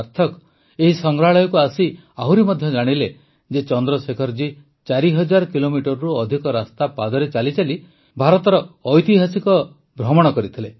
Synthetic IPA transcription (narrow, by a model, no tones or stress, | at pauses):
ɾt̪ʰɔk | eɦisɔŋɡɾaɭɔjɔkuasi | aɦuɾimɔd̪ʱjɔd͡ʒaɽ̃ile | d͡ʒet͡ʃɔnd̪ɾɔsekʰɔɾd͡ʒi | t͡ʃaɾiɦɔd͡ʒaɾɔkilomiʈɔɾɔɾuɔd̪ʱikɔɾast̪apad̪ɔɾet͡ʃalit͡ʃali | bʱaɾɔt̪ɔɾɔːjt̪iɦasikɔ | bɾɔmɔɽ̃ɔkɔɾit̪ʰile